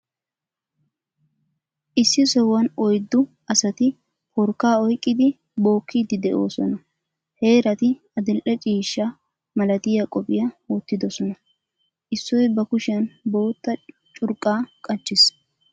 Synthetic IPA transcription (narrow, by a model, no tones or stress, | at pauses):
ʔɪsːɪsɔwːɐnɔjd̪ːʊ | ɐsɐt̪ɪ | pɔɾkːaːɔjkʼːɪd̪ɪ | bo̞ːkʰːid̪ɪd̪ɛʔo̞̰ːsɔnɐ | he̞ːɾɐt̪ɪ | ɐd̪ɛlʔɛt͡ʃʼiːʃːa | mɐlɐt̪ɪjɐkʼɔpʼɪjɐwɔt̪ːɪd̪ɔsɔnɐ | ʔɪsːɔjbɐkʊʃɪjɐnbo̞ːt̪ːɐ | t͡ʃʼʊɾkʼːaːkʼɐt͡ʃːɪs